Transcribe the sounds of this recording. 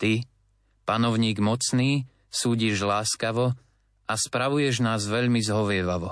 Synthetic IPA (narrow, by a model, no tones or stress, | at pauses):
t̪i | panɔʊɲiːɡmɔt͡sniː | suːɟiʒlaːskaʋɔ | ʔaspɾaʋujɛʒnaːzʋɛʎmizɦɔʋɪɛʋaʋɔ